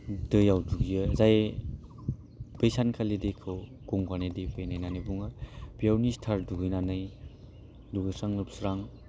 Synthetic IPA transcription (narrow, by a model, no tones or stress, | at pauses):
dɯjawduɡijɯzaj | bejsankʰaledekʰɯw | ɡ̥ɔŋɡanedebɯjnajnanɯjbuŋab̥ijawnistʰaɾduɡɯjnanɯj | duɡɯsaŋlɯpsɾaŋ